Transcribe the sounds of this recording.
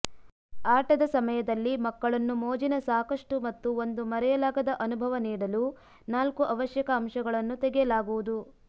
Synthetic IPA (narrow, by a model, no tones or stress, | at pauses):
aːʈɐd̪ɐsɐmɐjɐd̪ɐlːimɐkːɐɭɐnːumoːd͡ʒinɐsaːkɐʂʈumɐt̪ːuo̞nd̪umɐɾɛjɐlaːɡɐd̪ɐʔɐnubʱɐʋɐniːɽɐlu | naːlkuʔɐʋɐʃjɐkɐːmʂɐɡɐɭɐnːut̪ɛɡɛjɐlaːɡuʋud̪u